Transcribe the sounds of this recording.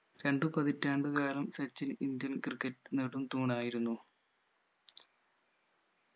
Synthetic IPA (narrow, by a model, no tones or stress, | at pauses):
ɾe̞ɳɖɨpɐðitːaːɳɖɨkaːlɐmset͡ɕːinind̪jɐnkrɨkːɐtːɨneɽumt̪uːɳaːjiɾunːu